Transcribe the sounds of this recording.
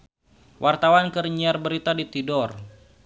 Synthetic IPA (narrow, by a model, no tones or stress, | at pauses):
wʔart̪awankərɲiarbəɾit̪adit̪idɔr